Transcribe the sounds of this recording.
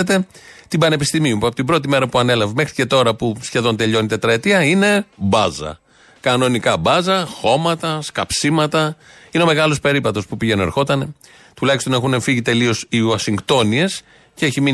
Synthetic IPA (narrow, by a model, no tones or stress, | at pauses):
et̪e̞t̪ibɐne̞pist̪imiumpuɐpot̪ibɾo̞t̪̬ime̞ɾɐpuɐne̞lɐvɐme̞xɾice̞t̪o̞ɾɐpusçe̞ðo̞nt̪e̞ʎo̞nit̪e̞t̪ɾɐet̪iɐine̞bɐzɐ̰ | kɐno̞nikɐbɐzɐxo̞mɐt̪ɐskɐpsimɐt̪ɐ | ineo̞me̞ɣɐlo̞spe̞ɾipɐt̪o̞spupiʝe̞nune̞ɾxo̞t̪ɐne̞ | t̪ulɐçist̪o̞ne̞xune̞ɱfiʝit̪e̞lio̞siosiŋɡt̪o̞nie̞s | ceçimi